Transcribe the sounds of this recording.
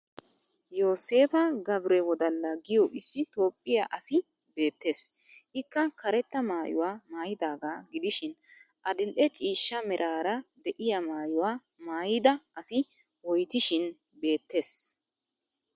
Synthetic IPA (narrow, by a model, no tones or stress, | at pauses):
joːse̞ːfɐɡɐbɾɛwɔd̪ɐlːɐɡɪjɔʔɪsːɪt̪o̞ːpʼːɪja̰ːʔɐsɪ | be̞ːt̪ːe̞ːs | ʔɪkːɐkɐɾɛt̪ːɐmaːjʊ̰waːmaːjɪd̪aːɡaːɡɪd̪ɪʃɪn | ʔɐd̪ɪlʔɛt͡ʃʼiːʃːɐmɛɾʔaːɾɐd̪ɛʔɪjɐmaːjʊwaː | maːjɪd̪ɐʔɐsɪ | wɔjt̪ɪʃɪn | be̞ːt̪ːe̞ːs